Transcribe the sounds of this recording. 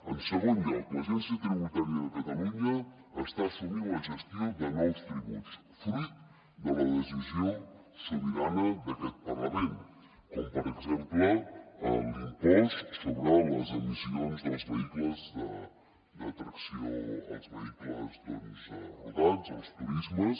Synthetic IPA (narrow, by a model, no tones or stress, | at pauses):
ənsəɣond̪əkosɛnsət̪ɾiβut̪aɾjəðəkət̪ɐluɲəː | st̪asəɣiuəʒəst̪jod̪ənɔwst̪ɾiβus | fɾut̪ | d̪ələðəzizijo | səβiɾanəðəkɛt̪̚pɐɾləmẽn | kɔmpəɾəɡzempləə̰limpɔssəβɾalə̰zəlizionzðəlˠzβəikləzd̪ə | d̪ət̪ɾəksio̰ə̰lˠzβəikləzd̪ə̰lzṵðaza̰lˠst̪uɾizməs